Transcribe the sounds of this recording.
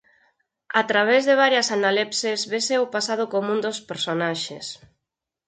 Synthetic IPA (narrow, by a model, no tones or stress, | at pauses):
at̪ɾaβ̞ezðɪβ̞aɾjasanalipsezβeseopasað̞ʊkomũnd̪ospeɾsonaʃḛs